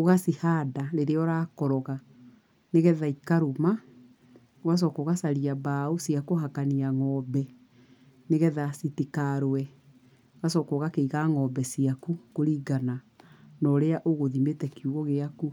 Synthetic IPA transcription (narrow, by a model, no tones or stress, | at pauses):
oɣasihaːdaɾeɾeɔɾaːkɔɾɔɣa | neɣɛðaikaɾuma | was̬ɔkoɣasaɾiabaosiakoɦakaniaŋɔbɛ | neɣɛðasitikaɾoɛ | ɣasɔkɔɣakeiɣaŋɔbɛsiakukoɾiɡananɔɾeaʔoɣoðimetɛkiuɣɔɣeaku